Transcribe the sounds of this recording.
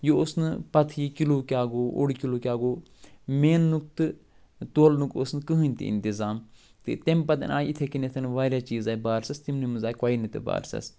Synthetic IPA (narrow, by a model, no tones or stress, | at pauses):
joosnɨpɐt̪ʰikiloːkʲaːɡoːʔo̰ɽikiloːkʲaːɡoː | meːnːuk̚t̪ɨ | t̪oːlnukosnɨkɨɦɨnʲt̪ḭḭnt̪izaːm | t̪ɨ̰t̪empɐt̪ɐ̰naːjit̪ʰekinet̪ʰɐnʋaːɾjaːt͡ʃiːzaːibaːɾsɐst̪imnimɨnzaːikaːinɨt̪ḛba̰ːɾsɐ̰s